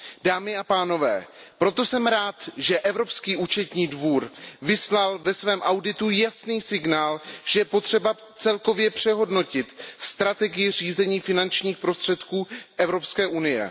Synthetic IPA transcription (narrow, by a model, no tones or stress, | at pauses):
d̥aːmɪapaːno̞vɛ̰ːpɾo̞t̪o̞sɛmɾaːt̪ʒɛʔɛvɾo̞pskiːʔut͡ʃɛt̪ɲiːdvuːɾvɪslalvɛsvɛːmʔawdɪt̪ujasniːsɪɡnaːlʒ̥ɛjɛpo̞t̪r̝̥ɛba | t͡sɛlko̞vjɛpr̝̥ɛɦo̞dno̞cɪt̪st̪ɾat̪ɛɡɪjɪr̝iːzɛɲiːfɪnant͡ʃɲiːxpɾo̞st̪r̝̥ɛt̪kuːʔɛvɾo̞pskɛːʔunɪjɛ̰